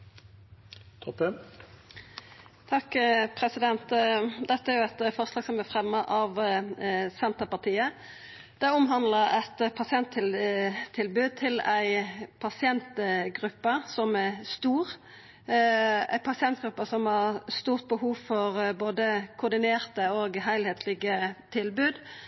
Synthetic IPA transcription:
t̪ʰɔpə | t̪ʰɑkpʰɾɛsɪd̪ɛnt̪d̪ɛt̪ːəæɛɾjʊɛt̪fɔʁslɑːɡ̥sɔmæfʁɛmːəʔɑʋ | sɛnt̪əpɑt̪ʰiːə | d̪̥ɛʊmɦɑnd̪ləɾɛt̪pʰɑsɪɛnt̪ʰːɪlt̪ʰːɪlbʉːd̪̚t̪ʰɪlæɪpʰɑsɪɛnt̪ɡʁʉpːəsɔmæʁst̪uːʁ | æ̰ɪpʰɑsɪɛnt̪̚ɡɾʉpːəsɔmhɑʁst̪uːʁt̪̚bəhuːʋfɔʁboːd̪əkʰʊɾd̪ɪneːʁt̪əoːɡɦæɪlheːt̪ʰlɪɡət̪ʰɪlbʉːd̪

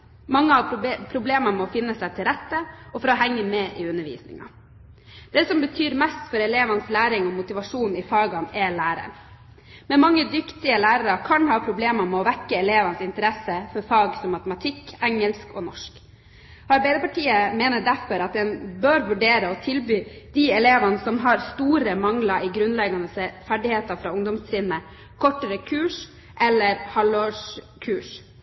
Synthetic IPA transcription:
mɑŋːəɑpʰɾʊbleːməmɛɔfɪnːəsæɪt̪ʰɪlɾɛt̪ːəɔfɔɾɔɦɛŋːəmɛʔɪʉnːəʋḭːsnɪ̰ŋɑ̰ | d̪̥ɛsɔmbət̪ʰyːɾmæst̪fɔɾɛleːʋɑnəslæːɾɪŋɔmʊt̪ɪʋɑʂuːnɪfɑːɡɑnɛlæːɾə̰ɾ | mɛmɑŋːəd̪ʏkt̪ɪəlæːɾəɾɑkʰɑnɦɑːpʰɾʊbleːmɑmɛɔʋɛkːəɛleːʋɑnsɪnt̪əɾɛsəfɔɾfɑːɡsɔmːɑt̪əmɑt̪ʰɪkːɛŋːəlskɔnɔʂk | ɑɾbæɪd̪əpɑʈiːəmeːnəɖ̪æɾfɔɾɑt̪̚d̪ɛnbøːɾʋʉɖeːɾəɔt̪ʰɪlbyːd̪̥iɛleːʋɑnəsɔmɦɑɾst̪uːɾəmɑŋlɑʔɪɡɾʉnlɛɡɑnəsɛfæɖɪheːt̪ɑfɾɑːʊŋd̪ɔmst̪ʰɾɪːnə | kʰɔʈːəɾəkʰʉːʂ | ʔɛlːəɾhɑloːʂ | kʰʉːʂ

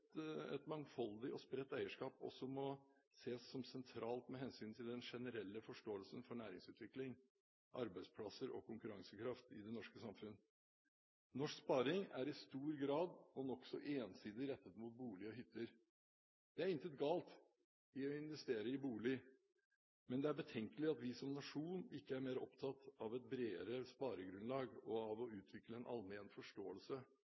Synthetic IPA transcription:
ɛ̰t̪mɑŋfɑld̪ɪɔspɾɛt̪ːæɪəʂkɑːpɔ̰sɔmɔ | seːsːɔmsɛnt̪ʰɾʔɑːlt̪mɛɦɛnsyːnt̪ʰɪld̪ɛnʂɛnəɾɛlːəfɔʂʈoːəlsənfɔɳæːɾɪŋsʉːt̪ʰʋɪklɪŋ | ʔɑɾbæɪspʰlɑsəɾɔ̰kʰʊŋkʉɾɑŋsəkʰɾɑft̪ɪ̰d̪ɛnɔʂkəsɑmfʉnː | nɔʂkspɑːɾɪŋæɾɪst̪uːɾɡɾɑːd̪ɔnɔksɔʔeːnsiːd̪ɪɾɛt̪ːət̪muːt̪̚buːlɪɔɦʏt̪ʰːəɾ | d̪̥ɛæɾɪnt̪ʰət̪̚ɡɑːlt̪ | ɪɔɪnʋɛst̪eːɾəɪbuːlɪ | mɛnd̪ɛæɾbət̪ʰɛŋkəlɪɑt̪ʋɪsɔmnɑʂuːnɪkːəæɾmeːɾɔpt̪ʰɑt̪ɑʋɛt̪̚bɾeːəɾəspɑːɾəɡɾʉnlɑːɡɔɑʋɔʉːt̪ʰʋɪkləɛnʔɑ̰lmeːnfɔʂʈoːəlsə

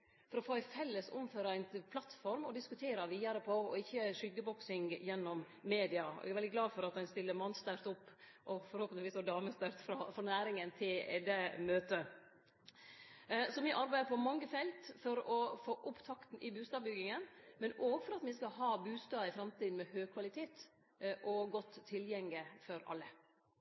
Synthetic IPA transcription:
fɔɾɔfoːæfɛlːəsʊ̰mføːɾɑæɪnpʰlɑt̪fɔɾmɔd̪ɪskʉt̪ʰeːɾɑʋiːd̪ɑɾəpʰɔɔ̰ɪçːəʂʏɡəbɔksɪŋjɛnːɔmː | eːd̪ɪɑɔ̰æ̰æɾʋɛld̪ɪɡlɑːfɔɾɑt̪̚d̪ɛɪnst̪ɪlːəɾmɑnst̪əɾt̪ʊpː | ʔɔfɔɾhoːpənʋiːsoːd̪ɑːməst̪əɾt̪fɾɑfɾɑnæːɾɪŋənt̪ʰɪlɛ̰d̪ɛmøːt̪ə | sɔmɪʔɑɾbæɪəɾpʰɔmɑŋːəfɛlt̪fɔɾɔfoːʔʊpt̪ʰɑkt̪n̩ʔɪbʉːst̪ɑːbʏɡɪŋənmɛnoːɡfɔɾɑt̪mɪskɑɦɑːbʉːst̪ɑːɪfɾɑmt̪iːd̪n̩mɛhøːɡkʰʋɑlɪt̪ʰeːt̪ | ʔɔɡɔt̪ʰːɪljɛŋɪfɔɾɑ̰lːə

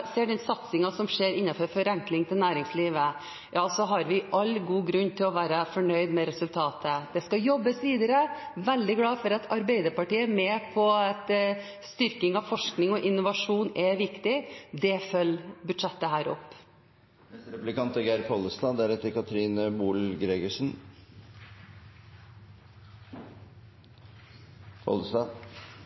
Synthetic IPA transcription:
seːɖɛnsɑt̪sɪŋɑsɔmʂeːɾɪnːɑføːɾfɔɾɛŋklɪŋt̪ʰɪlnæːɾɪŋsliːʋə | jʔɑːɑlsɔɦɑɾʋɪʔɑlːɡuːɡɾʉnːt̪ʰɪlɔʋæːɾəfɔɳœʏd̪mɛɾɛsʉlt̪ʰɑːt̪ʰəd̪̥ɛskɑjɔbːəsʋiːd̪əɾəʋɛld̪ɪɡlɑːfɔɾɑt̪ʰɑɾbɛɪd̪əɾpɑʈiːəmɛːpʰɔɛt̪ | st̪ʏɾkɪŋɑʋfɔʂknɪŋɔʔɪnːʊʋɑʂuːnɛʋɪkt̪ɪd̪ɛfœlːbʉd̪ʂɛt̪ːəɦæːɾɔ̰pː | ɛsɾɛplɪkɑnt̪əɡæɪɾpʰɔləst̪ɑd̪æɾɛt̪ːəɾkʰɑt̪ʰɾiːnəbuːlɡɾeːɡəʂn | pʰɔ̰lst̪ɑ

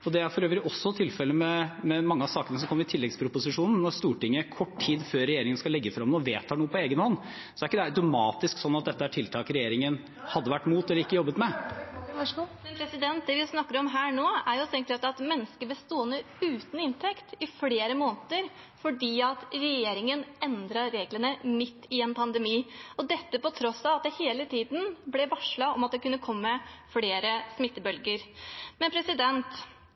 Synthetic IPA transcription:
ɔd̪ɛæɾfɔɾøːʋəɾɔsːɔt̪ʰɪlfɛlːəmɛmɛmɑŋːəɑsɑːkənəsɔmkɔmːəɾɪt̪ʰɪlːɛɡspʰɾʊpʊsɪʂuːnn̩nɔɾst̪uːʈɪŋːəkʰɔʈːʈʰiːd̪føːɾɛjeːɾɪŋənəskɑlɛɡːəfɾɑmnuːəʋeːt̪hɑːɳuːəpʰɔeːɡənhɔnː | sɔæɾɪkːəd̪ɛæɑʉt̪ʊmɑːt̪ɪsksɔnːɑt̪̚d̪ɛt̪ːəæʈʰɪlt̪ʰɑːkɾɛjeːɾɪŋən | hɑd̪ːəʋæʈːmuːt̪ɛləɾɪkːəjɔbːət̪mɛ | ɛnpʰɾɛsɪd̪ɛnt̪̚d̪ɛʋɪsnɑkːəɾɔmɦæːɳoːæɾjʊt̪ʰɛŋkt̪ɾɑt̪ɑt̪mɛnːəskəbəst̪oːənə | ʉːt̪n̩ɪnt̪ʰɛkt̪ɪfleːɾəmoːnt̪əɾ | fɔɖiːɑt̪ɾɛjeːɾɪŋənɛnd̪ɾɑɾeːɡlənəmɪt̪ːɪɛnpʰɑnd̪ɛmiːɔd̪ɛt̪ːəpɔt̪ʰɾɔsːɑʋɑt̪̚d̪ɛheːlət̪ʰiːd̪n̩blɛʋɑʂɭɑɔmɑt̪̚d̪ɛkʉnːəkʰɔmːəfɽeːɾəsmɪt̪ːəbœlɡəɾmɛnpʰɾɛsɪd̪ɛnt̪

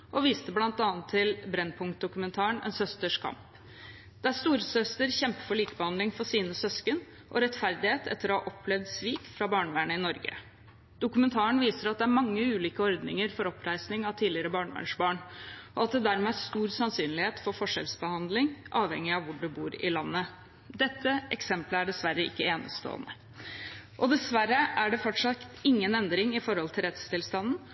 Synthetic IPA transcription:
ʔɔʋiːst̪əblɑnt̪ɑːnt̪ʰːɪlbɾɛnpʰʊŋkt̪̚d̪ʊkʉmənt̪ʰɑːəɳɛ̰nsœst̪əʂkʰɑ̰mp | d̪̥ɛæst̪uːɾəsœst̪əɾçɛmpə̥fɔɭiːkəbəhɑnd̪lɪŋfɔsiːnəsœskən | ʔɔ̰ɾɛt̪fæɾd̪ɪheːt̪ɛ̰t̪ːəɾɔhɑ̰ʔɔpʰːlɛʋd̪sʋiːkfɾɑbɑːɳʋæːɳəɪnɔɾɡə̰ | d̪̥ʊkʉmɛnt̪ʰɑːəɳʋiːsəɾɑt̪̚d̪ɛæɾmɑŋːəʉːliːkəɔɾd̪nɪ̰ŋəɾfɔɾɔpʰɾæɪsnɪŋɑʋt̪ʰiːlɪəɾəbɑːɳʋæ̰ɳʂbɑːɳɔɑt̪̚d̪ɛd̪æɾmɛæʂt̪uːɾsɑnsyːnlɪheːt̪fɔɾfɔʂɛ̰lsbəhɑnd̪lɪŋʔɑːʋhɛŋːɪɑʋʋʊɖʉbuːɾɪ̰lɑnːə | d̪ɛt̪ʰːəʔɛksɛmpləæɖɛsʋæɾːəɪ̰kːəeːnə̰st̪o̰ːə̰nə | ʔɔd̪ɛsʋæɾːəʔæɖɛfɔʈʂɑt̪ɪŋːənɛnd̪ɾɪŋɪfɔɾhɔlt̪ʰɪlɾɛt̪st̪ʰɪlst̪ɑnːn̩

